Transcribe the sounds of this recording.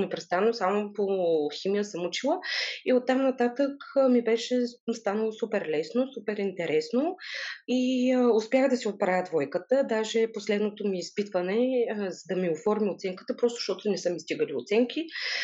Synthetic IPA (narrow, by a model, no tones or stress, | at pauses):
mɛpɾɛst̪anəosamopoximijəsəmʊt͡ʃilˠəiot̪ːamnɐt̪at̪əkmibɛʃɛst̪anəlˠosupɛɾlɛsnosupɛɾint̪ɛɾʔɛsnoiʊspʲjaxd̪ɐsiot̪̚pɾavʲəd̪vɔjkət̪əd̪aʒɛposlɛd̪not̪omiːspit̪vənɛzɐd̪ɐmiofɔɾmiot̪sɛŋkə̥t̪əpɾɔst̪ʊ̥ʃt̪ɔt̪onɛsəmist̪iɡəlio̰t̪sɛŋkʲi